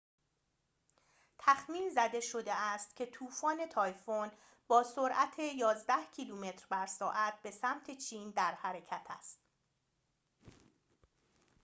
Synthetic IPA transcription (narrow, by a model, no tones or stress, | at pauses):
t̪ʰæxmiːnzæd̪e̞ʃo̞d̪e̞æst̪cʲʰe̞t̪ʰuːfɒːne̞t̪ʰɒːjfon | b̥ɒːsoɾʔæt̪ʰe̞jɒːzd̪æhcʰiluːme̞t̪ɾbæɾsɒːʔæt̪̚be̞sæmt̪ʰe̞t͡ʃʰiːnd̪æɾhæɾe̞cʰæt̪ʰæst̪̚